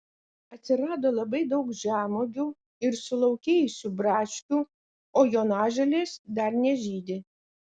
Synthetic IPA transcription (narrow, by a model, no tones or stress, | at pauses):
ɐt̪ʲsʲɪɾɑːd̪oːlˠɐbɐɪd̪ɒʊkʒʲæːmoːɡʲuː | ɪɾsʊlˠɒʊkʲeːjʊsʲuːbɾɑːʃʲkʲuː | oːjoːnɑːʒʲɛlʲeːsd̪ɐɾnʲɛʒʲiːd̪ʲɪ